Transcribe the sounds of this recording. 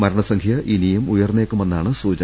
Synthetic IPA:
mɐɾɐɳɐsɐŋɡʰjɐʔinijumujɐrnːe̞ːkːume̞nːaːɳɨsuːt͡ɕɐ

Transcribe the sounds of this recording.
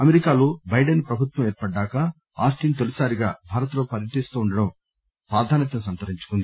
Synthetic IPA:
ɐmeɾikaːloːbɐjɖɐnpɾɐbʱut̪ʋɐmeːɾpɐɖːaːkɐ | aːsʈiːnt̪elusaːɾiɡa̰ːbʱaːɾɐt̪loːpɐɾjɐʈist̪uːɳɖɐɽɐm | pɾaːd̪ʱaːnɐt̪ɐnusɐnt̪ɐɾiɲt͡ʃu̥kund̪i

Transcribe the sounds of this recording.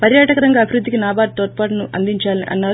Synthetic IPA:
pɐɾjaːʈɐkɐɾɐŋɡaːɐbʱiɾud̪ʱːikinaːbaːʈ̚t̪oːɾ̚paːʈɐnuʔɐ̰nd̪iɲt͡ʃaːlḭʔɐ̰nːaːɾu

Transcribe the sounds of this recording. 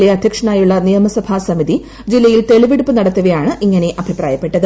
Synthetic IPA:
eɐd̪ʱjɐkʂɐɳaːjuɭːɐnijɐmɐsɐbʱaːsɐmiði | d͡ʑilːɐjilt̪e̞ɭiʋiɽupːɨnɐɽɐt̪ːɐʋɐjaːɳɨʔiŋːɐne̞ʔɐbʱipra̰ːjɐpːe̞ʈːɐðɨ

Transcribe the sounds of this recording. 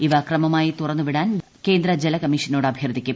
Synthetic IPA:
iʋɐkrɐmɐmaːjit̪urɐnːuʋiɽaːn | ke̞ːnd̪ɾɐd͡ʑelɐkɐmːiːʂɐnoːɽɨɐbʱjɐrd̪ʱikʲːum

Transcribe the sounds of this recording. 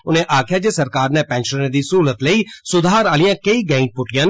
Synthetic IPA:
ʊnẽːʔaːkʰjaːd͡ʒeːsəɾkaːɾnɛ̃ːpɛ̃ːnʃənẽːd̪iːsɦuːlət̪ləiːsʊd̪ʱaːɾaːlɪjãːkəiːɡɛ̃ːɪ̃ɳʈ̚pʊʈɪjãːn

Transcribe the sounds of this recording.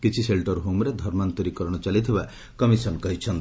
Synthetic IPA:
kit͡ʃʰiselʈʌɾɦomɾed̪ʱɔɾmant̪uɾikɔɾɽ̃ɔt͡ʃalit̪ʰiba | kʌmisɔnkʌɦit͡ʃʰʌn

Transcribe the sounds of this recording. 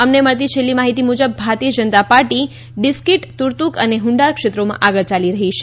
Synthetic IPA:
əmneməɭt̪̬it͡ʃʰelːimaɦit̪imud͡ʒəbːʱaɾt̪iəd͡ʒənt̪apaɾʈi | ɖɪskiʈt̪uɾt̪ukəneɦʊ̃ɳɖaɾkʃet̪ɾomã̰ʔaɡəɭt͡ʃaliɾəɦit͡ʃʰe̥

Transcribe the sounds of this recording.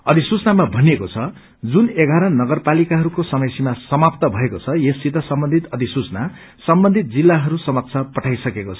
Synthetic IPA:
ʌd̪ʱisut͡snamabʱʌnekot͡sʰʌ | d͡zuneɡʱaɾʌnʌɡʌrpalikaɦʌɾukosʌmʌjsimasʌmap̚t̪ʌbʱʌekot͡sʰʌjesːit̪ʌsʌmbʌnd̪ʱit̪ʌd̪ʱisut͡sna | sʌmbʌnd̪ʱit̪̚d͡zilːaɦʌɾusʌmʌt̪sʰapʌʈʰajsʌkekot͡sʰʌ̥

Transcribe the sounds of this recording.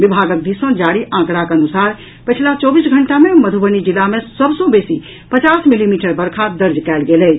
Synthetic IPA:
ʋibʱaːɡək̚d̪isə̃d͡ʒaːɽiʔãːkɾakənusaːɾ | pət͡ʃʰlat͡ʃɔːbisɡʱəɳʈamẽməd̪ʱubənid͡ʒilamẽsəbsõbeːsi | pət͡ʃaːsmilimiːʈəɾbəɾkʰad̪əɾd͡ʒkɛːlɡelɛː

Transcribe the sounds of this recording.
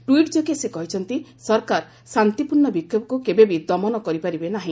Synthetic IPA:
ʈuiʈd͡ʒokesekɔɦit͡ʃʰɔnt̪isɔɾkaɾ | sant̪ipuɾɳːɔbikʰjopɔkukebebid̪ɔmɔnɔkɔɾipaɾibenaɦĩ

